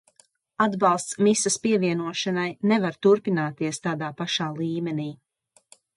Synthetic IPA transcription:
ad̪bɑlˠst̪smisaspiɛviɛnuɔʃanajnɛvaɾt̪uɾpinaːt̪iɛst̪aːd̪aːpaʃaːlˠiːmɛniː

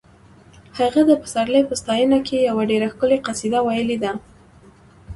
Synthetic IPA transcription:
haɣad̪əpə̥saɾləjpəst̪ɑjənakejawaɖeɾaxkəleqasid̪awajəled̪a

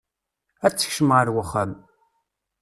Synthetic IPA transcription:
æt͡sːə̥çʃəmʁəɾwəχːæm

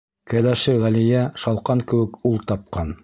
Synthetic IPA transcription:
kæd̪æʃɘʁælijæʃɑlˠqɑŋkɘ̆wɘ̆kulˠt̪ɑp̚qɑn

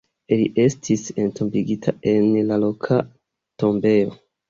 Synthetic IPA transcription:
eliʔe̞stʰise̞ntombiɡitʰae̞nlalokʰa | to̞mbe̞jo̞

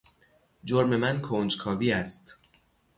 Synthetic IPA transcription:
d͡ʒoɾme̞mænkʰoːnd͡ʒkʰɒːviːæst̪

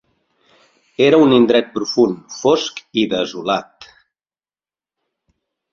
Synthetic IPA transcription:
eɾəunind̪ɾɛt̪̚pɾufunfoskiðəzulat̪

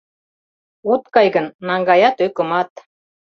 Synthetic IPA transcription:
ut̪kɑjɣənːɑŋɡɑjɑt̪økɤ̆mɑt̪

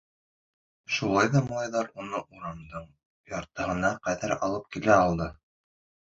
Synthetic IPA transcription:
ʃulˠɑjðɑmolˠɑjðɑɾunɤʔuɾɑmd̪ɤɴ | jɑɾt̪ɤ̆ɦɤ̆nɑqæðæɾɑlˠɤp̚kilæɑlˠd̪ɤ

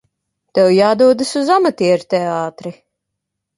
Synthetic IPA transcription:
t̪ɛwjaːd̪uɔd̪ɨsuzamat̪iɛɾt̪ɛaːt̪ɾi

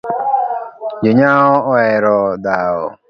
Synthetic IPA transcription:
d͡ʒoɲaɦɔɔɛɾɔdaɔ̰

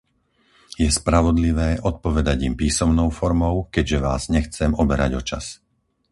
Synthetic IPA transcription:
jɛspɾaʋɔd̪liʋɛːʔɔt̪̚pɔʋɛd̪aɟimpiːsɔmnɔʊfɔɾmɔʊkɛɟʒɛʋaːz̥ɲɛxt͡sɛmɔbɛɾa̰ɟɔt͡ʃa̰s

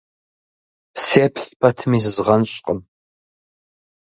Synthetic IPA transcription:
seːpʰɬpʰɐtʰɨmiːzɨzʁɐnɕʼqʼəm

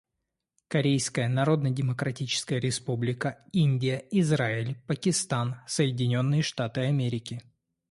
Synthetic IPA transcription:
kɐɾʲejskəjənɐɾo̞d̪nədʲɪməkɾɐtʲit͡ɕɪ̥skəjəɾʲɪspublʲɪkəinʲdʲɪjəɪzraɪlʲpəkʲɪst̪ansəjɪdʲɪnʲo̞nːɨjəʂt̪at̪ɨɐmʲeɾʲɪkʲɪ

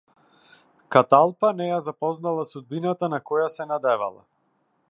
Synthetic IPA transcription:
kat̪alˠpanɛjazapɔznalˠasud̪̚binat̪anakɔjasɛnad̪ɛva̰lˠa̰

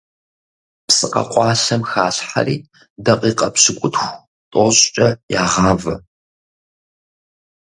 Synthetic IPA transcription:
psɨqɐ̰qʷʼɑːɬɐmxaːɕħa̰riː | dɐqʼiːqʼɐpɕɪkʷʼʊtxʷ | tʼoɕʼt͡ʃʼɐjaːʁɑːvɐ

